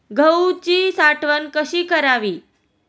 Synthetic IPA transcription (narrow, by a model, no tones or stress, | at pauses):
ɡʱəut͡ɕiːsaʈʰʋənkəɕiːkəɾaʋiː